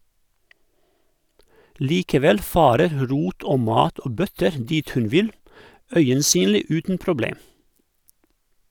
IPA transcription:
ˈliːkəˌʋɛl ˈfɑːɾəɾ ˈɾuːt ˈoː ˈmɑːt ˈoː ˈbœtəɾ ˈdiːt ˈhʉn ˈʋɪl ˈœʏənˌsyːnliː ˈʉːtn̩ pɾʊˈbleːm

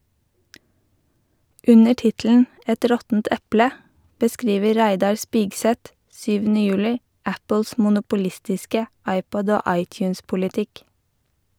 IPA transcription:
ˈʉnə ˈʈɪtl̩n̩ ˈɛt ˈɾɔtn̩t ˈɛplə bəˈskɾiːʋə ˈɾæɪdɑɾ ˈspiːɡsɛt ˈsyːʋn̩ə ˈjʉːlɪ ˈæpəls mʊnʊpʊˈlɪstɪskə ˈɑɪˌpɔd ˈoː ˈɑɪˌtjʉːnspʊlɪˌtɪk

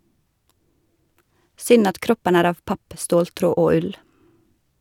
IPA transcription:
ˈsʏn ˈɑt ˈkɾɔpən ˈæːɾ ˈɑːʋ ˈpɑp ˈstoːlˌtɾoː ˈoː ˈʉl

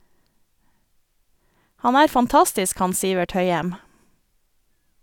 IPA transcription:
ˈhɑn ˈæːɾ fɑnˈtɑstɪsk ˈhɑn ˈsiːʋɛʈ ˈhœʏɛm

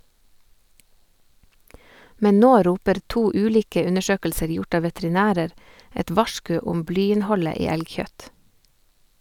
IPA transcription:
ˈmɛn ˈnoː ˈɾuːpəɾ ˈtuː ˈʉːliːkə ˈʉnəˌʃøːkl̩səɾ ˈjʊʈ ˈɑː ʋɛtɾɪˈnæːɾəɾ ˈɛt ˈʋɑʃkʉ ˈʊm ˈblyːɪnˌhɔlə ˈiː ˈɛlˌçœt

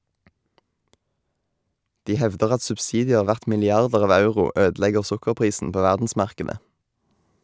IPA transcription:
ˈdiː ˈhɛʋdəʁ ˈɑt sʉbsɪdɪˈeːʁ ˈʋæʁt mɪlɪˈɑʁdəʁ ˈɑːʋ ˈɑʉʁʊ ˈøːdl̩ˌɛɡəʁ ˈsʊkəʁˌpʁiːsn̩ ˈpoː ˈʋæʁdn̩smɑʁˌkeːdə

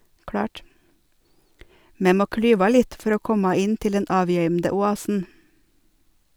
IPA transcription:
ˈmeː ˈmoː ˈklyːʋɑ ˈlɪt ˈfɔɾ ˈoː ˈkɔmɑ ˈɪn ˈtɪl ˈdɛn ˈɑːˌʋjœʏmdə ʊˈɑːsn̩

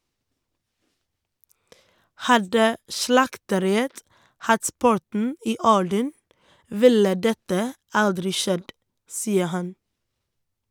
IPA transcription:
ˈhɑdə ˈʃlɑktəˌɾɪət ˈhɑt ˈpʊɾtɳ̩ ˈiː ˈɔɖən ˈʋɪlə ˈdɛtə ˈɑldɾɪ ˈʃɛd ˈsiːə ˈhɑn

